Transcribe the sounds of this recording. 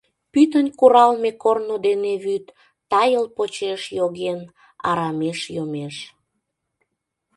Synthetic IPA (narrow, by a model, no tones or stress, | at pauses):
pyt̪ənʲkuɾɑlmekornod̪eneβyt̪ː | ɑjəlpot͡ɕeʃjoɣen | ɑ̰ɾɑmeʃjomeʃ